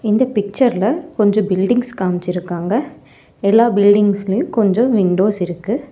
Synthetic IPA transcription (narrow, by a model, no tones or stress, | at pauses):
ɪnd̪ɐpɪk̚t͡ʃɐɾɪlɐkɔɲd͡ʒɔ̃bɪlɖɪŋɡskaːmt͡ʃːɪɾɯkːaːŋɡɐ | ɛlːaːbɪlɖɪŋɡslɐjʊ̃kɔɲd͡ʒɔ̃ʋɪɳɖoːsɪɾɯkːɯ